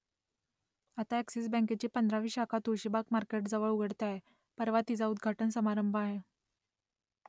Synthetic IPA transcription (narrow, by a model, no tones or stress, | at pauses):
at̪aæksiːsbɛ̃ŋket͡ɕiːpənd̪ɾaʋiːɕakʰat̪uɕibakmaɾkeʈd͡zəʋəɭuɡʱəɽt̪aɦe | pəɾʋat̪id͡zaud̪ɡʱaʈənsəmaɾəmbʱəaɦe